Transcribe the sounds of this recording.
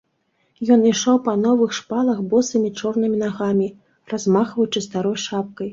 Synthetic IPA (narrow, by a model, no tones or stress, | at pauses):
jɔniʂɔwpɐnɔvɨxʂpalˠɐxbɔsɨmʲit͡ʂɔrn̪ɨmʲinaɣamʲi | razmaxvɐjut͡ʂɨst̪aɾɔjʂap̚kɐj